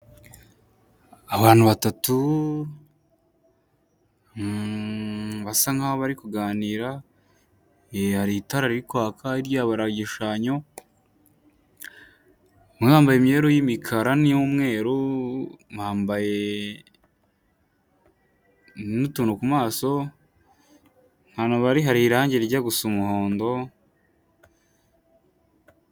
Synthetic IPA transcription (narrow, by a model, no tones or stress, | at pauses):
aβaːn̥uβatatu | βasaŋhahoβaɾikuɡaːniːɾa | ehaɾitaɾaɾiɾikwaːkʰaiɾjaβaɾaɟiʃaːɲo̞ | mihaːmbajemɲeːɾojimikʰaɾanijumŋe̞ːɾu | mhaːmbaje̞ | nutunukumaːso̞ | n̥hanaβaɾiɦaɾiɾaːɲɟeɾiɾɟaɡusumuho̞ːndo̞